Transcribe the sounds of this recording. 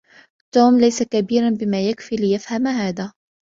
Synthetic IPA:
t̪uːmlajsakabiːɾanbɪmaːjakfiːlɪjafhamhaːd̪a

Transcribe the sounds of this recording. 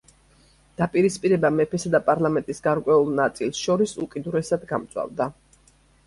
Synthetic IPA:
d̪̥apʼiɾispʼiɾɛbamɛpʰɛsad̪apʼaɾlˠamɛnt̪ʼisɡaɾkʼwɛulˠnat̪sʼilˠsʃɔɾisukʼid̪uɾɛsad̪ɡamt̪sʼwa̰vd̪a

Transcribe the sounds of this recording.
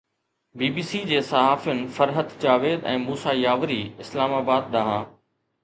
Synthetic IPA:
biːbiːsid͡ʑeːsɐɦaːfjʊnɪ̆fɐɾɦət̪d͡ʑaːʋeːd̪ɛ̰̃ːmuːsajaːʋɾiːɪslaːmaːbaːd̪̚ɗ̪aɦãː

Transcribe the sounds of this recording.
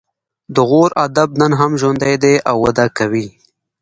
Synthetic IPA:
d̪əɣoɾad̪ab̚nənɦamʒwand̪ajd̪eʔawːad̪akawi

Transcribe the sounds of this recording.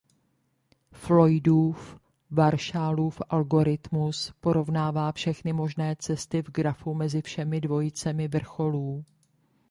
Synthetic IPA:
flo̞jduːf | vaɾʃaːluːfʔalɡo̞ɾɪt̪muspo̞ɾo̞vnaːvaːfʃɛxnɪmo̞ʒnɛːt͡sɛst̪ɪvɡɾafumɛzɪfʃɛmɪdvo̞jɪt͡sɛmɪvr̩xo̞luː

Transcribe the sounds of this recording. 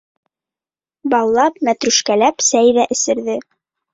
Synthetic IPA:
bɑwˠlˠɑpmæt̪ɾʉʃkælæpsæjðæʔɘ̆sɘ̆ɾðɘ

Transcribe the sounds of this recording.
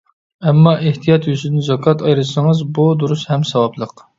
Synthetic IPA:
ɛmːɑʔeht̪ʰijɑt̪jyzɪnnzɑkʰɑt̪ɑjɾɨsɨŋɨzbud̪uɾushɛmsɑwɑblˠəq

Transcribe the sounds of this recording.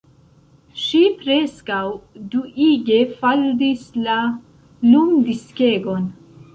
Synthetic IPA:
ʃipɾeskawduʔiɡe̞faldisla | lumdiskeɡon

